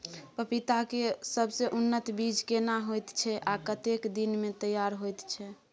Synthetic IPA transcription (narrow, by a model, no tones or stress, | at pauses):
pəpit̪akesəbʱseʔunːət̪bid͡ʒkenaɦojt̪t͡ʃʰɛʔakət̪ekd̪inmet̪əjaɾɦojt̪t͡ʃʰɛ